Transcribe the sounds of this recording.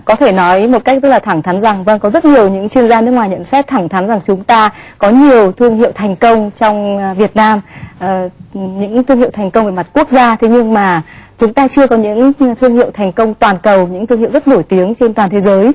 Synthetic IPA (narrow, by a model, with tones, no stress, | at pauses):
kɔ˨˦t̪ʰe˧˩nɔ˨˦jmo˨˩ka˦˥k̚t̪ə˦˥k̚laː˨˩a˧˩ŋt̪ʰa˨˦nza˨˩ŋvə˧ŋkɔ˨˦zə˦˥t̚ɲi˨˩əwɲɨ̰˧˥ŋt͡ɕwi˧ənzaː˧nɨ˦˥k̚ŋwaː˨˩jɲə̰˧˥nsɛ˦˥t̚t̪ʰaː˧˩ŋt̪ʰa˨˦nza˨˩ŋt͡ɕʊ˨˦ŋ͡mt̪aː˧kɔ˨˦ɲi˨˩əwt̪ʰɨ˧əŋɦḭ˧˨wt̪ʰɛ˨˩jŋ̟kə˧wŋ͡mt͡ɕɔ˧wŋ͡mvi˨˩ət̚naː˧mʔɲɨ̰˧˥ŋt̪ʰɨ˧ŋhḭ˧˨wt̪ʰjŋ̟kə˧wŋ͡mvəː˧˩ma˨˩t̚ku˦˥ək̚zaː˧t̪ʰe˨˦ɲɨ˧ŋmaː˨˩t͡ɕʊ˨˦ŋ͡mt̪aː˧t͡ɕɨ˧əkɔ˨˦ɲɨ̰˧˥ŋt̪ʰɨ˧əŋhi˧˨wt̪ʰa˨˩jŋ̟kə˧wŋ͡mt̪waː˨˩nkə˨˩wɲɨ̰˧˥ŋt̪ɨ˧ŋi˧˨wzə˦˥t̚no˧˩jt̪i˨˦əŋt͡ɕe˧nt̪waː˨˩nt̪ʰe˨˦zəː˨˦j